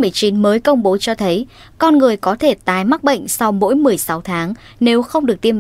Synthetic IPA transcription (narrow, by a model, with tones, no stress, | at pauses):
mɨ˨˩əjt͡ɕi˨˦nməː˨˦jkə˧wŋ͡mɓo˨˦t͡ɕɔ˧t̪ʰə˨˦j | kɔ˧nŋɨ˨˩əjkɔ˨˦t̪ʰe˧˩t̪aː˨˩jma˦˥k̚ɓə̰˧˨jŋ̟sa˧wmo̰˧˥jmɨ˨˩əjsa˨˦wt̪ʰaː˨˦ŋ | ne˨˦wxə˧wŋ͡mɗɨ˨˩ək̚t̪i˧əm